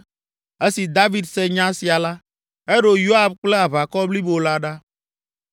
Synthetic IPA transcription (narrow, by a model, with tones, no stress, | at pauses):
e˦si˨d̪a˦vi˦d̪se˦ɲã˦si˨a˨la˦ | e˦ɖo˨jo˦a˨bk͡ple˦a˨βa˨kɔ˦bli˦bo˨la˦ɖa˦